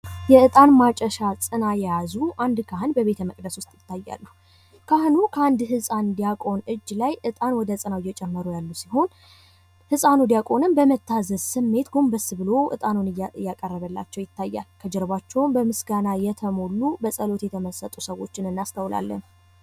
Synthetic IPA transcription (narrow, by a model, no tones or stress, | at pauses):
jɛɨt̪ʼanmat͡ʃʼəʃasʼɨnajɛjazuʔand̪kʰaɦɨnbəβe̞t̪ʰəməkʼd̪əswʊst̪ʼjɪt̪ːajːa̰lːu | kʰahnukʰəand̪hɨsʼand̪ijakʼo̞nɨd͡ʒːlajʔɨt̪ʼanwɔd̪ət͡sʼɨnawjːɛt͡ʃʼɛmːəɾujalːusiho̞n | hɨsʼanud̪ijakʼo̞nɨnbəmət̪ʰːazəzsɨmːe̞t̪ɡombəsɨβɨlo̞ʔɨ̰t̪ʼanunɨjjːakʼərːəβəlːa̰t͡ʃːɛwjɪt̪ːajːa̰lkʰəd͡ʒɛɾβat͡ʃːɛwmbəmɨsɡanajɛt̪ʰəmo̞lːubəsʼəlo̞t̪jɛt̪ʰəməsət̪ʼusəwo̞t͡ʃːɪnɨnːast̪ʰəwla̰lːə̰n